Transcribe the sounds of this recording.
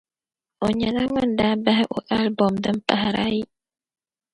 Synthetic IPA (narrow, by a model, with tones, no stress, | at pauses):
ɔ˨ɲa˨na˦ŋa˦n˨da˦ba˦ɦɛ˦ʔu˨ʔa˦lbɔ˨mdə˦m̩˦pa̰˨ɦa˨ɾa̰˦i˦